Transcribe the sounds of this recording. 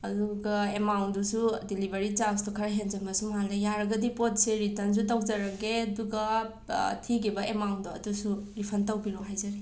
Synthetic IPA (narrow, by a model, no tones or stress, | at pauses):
ɐduɡɐemawndusudilibʱeɾit͡ʃawstukʰɐɾaɦenzɐmɐsumalejaɾɐɡɐdipot̚seɾitɐns̬utawd͡ʒɐɾɐɡeɐduɡɐ | tʰiɡibɐemawndɔɐdusuɾipʰɐntɐwbiɾɔɦajzɐɾe